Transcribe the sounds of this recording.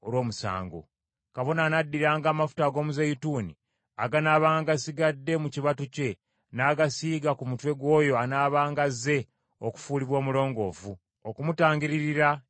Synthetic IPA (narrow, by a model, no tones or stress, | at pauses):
olwo̞ːmusa̰ːŋɡo̞̰ | kaβo̞naːnadːiɾaːŋɡaːmafu̥taːɡo̞ːmuzejituːni | aɡanaːβaːŋɡaɡasiɡadːe̞muciβatuce̞ | naːɡasiːɡakumutwe̞ɡwo̞ːjo̞anaːβaːŋɡaze̞ | oku̥fuːliβwo̞ːmulo̞ːŋɡo̞ːvu | okumutaːŋɡiɾiɾiɾa